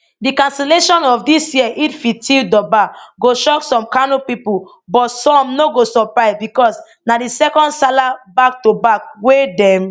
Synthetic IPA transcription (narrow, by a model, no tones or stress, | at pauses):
dikãnsɛleʃɔ̃nɔfdisjiɛʔitfitʰildɔbaɡoʃɔksɔ̃mkanopipu | bɔtsɔ̃mnoɡosɔpɹaɪvbikɔs | nadisɛkɔ̃ndsalabak̚tobak̚wedɛ̃m